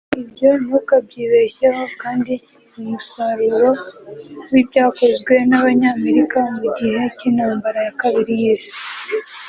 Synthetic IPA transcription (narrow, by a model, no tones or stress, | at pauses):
ibjo̞nukab̚ɟiːβe̞çeho̞kaːndi | umusaɾuɾo̞ | wibjaːko̞zɡwe̞naβaɲaːme̞ɾikamuɟihe̞cinhaːmbaɾajakaβiɾijiːsi̥